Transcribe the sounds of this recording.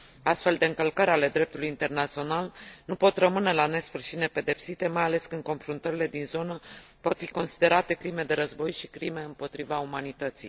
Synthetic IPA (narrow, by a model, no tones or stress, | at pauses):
ast̪fe̞ld̪e̞ɨŋkəlkəɾʲale̞d̪ɾe̞p̚t̪ulujint̪e̞rnat̪sio̞nalnupo̞t̪rəmɨne̞lane̞sfɨrʃine̞pe̞d̪e̞psit̪e̞majale̞skɨnd̪̚ko̞nfɾunt̪əɾile̞d̪inzo̞nəpo̞t̪fiko̞nsi̥d̪e̞ɾat̪e̞kɾime̞d̪e̞ɾəzbo̞jʃi̥kɾime̞ɨmpo̞t̪ɾivaumanit̪ət̪sḭj